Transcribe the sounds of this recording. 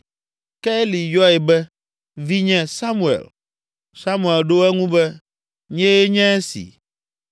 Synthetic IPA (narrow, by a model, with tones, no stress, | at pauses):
kɛ˦li˨jɔ˦ɛ˨bɛ˦ | vi˦ɲɛ̃˦sa˦mu˦˨ḛ˨l | sa˦mũ˦˨e˨lɖo˦ɛ˦ŋũ˦bɛ˦ | ɲɛ̃˦e˦ɲɛ̃˦sḭ˨